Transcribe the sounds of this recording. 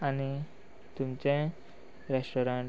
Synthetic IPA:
ani | t̪umt͡ɕẽ | ɾesʈɔɾaɳ

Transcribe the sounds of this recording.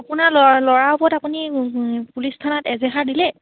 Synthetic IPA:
apunalɔlɔɹaupɔɹtapunipulistʰanɔtɛzɛxʰadilɛ

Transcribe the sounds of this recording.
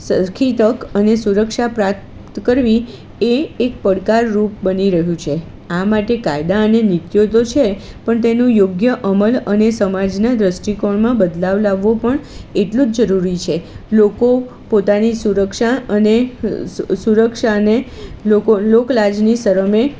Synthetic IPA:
səkʰit̪əkənesuɾəkʃapɾa | t̪kəɾʋi | eːk̚pəɽkaɾːup̚bəniɾəɦjũt͡ʃʰe | amaʈekajd̪aənenɪt̪jot̪ot͡ʃʰepəɳt̪enũjoɡjəʔəmələnesəmad͡ʒnad̪ɾəsʈikoɳmãbəd̪laʋlaʋːopəɳeʈlũd͡ʒd͡ʒəɾuɾit͡ʃʰeloko | pot̪anisuɾəkʃaəne | suɾəkʃane | okoloklad͡ʒnisəɾəme

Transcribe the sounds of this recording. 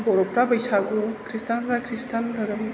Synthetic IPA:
bɔɾɔpɾabʌjsaɡukʰɾistanpɾakʰɾistanlʌɾɯm

